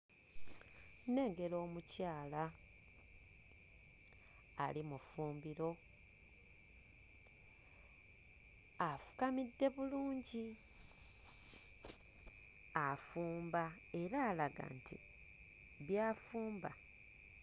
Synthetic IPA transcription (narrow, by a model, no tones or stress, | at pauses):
ne̞ːŋɡe̞lo̞ːmucaːla | a̰limufuːmbiɾo̞ | afu̥kamidːe̞βuluːɲɟi | afuːmba | e̞ɾaːlaɡa̰ntʰḭ | βjaːfuːmba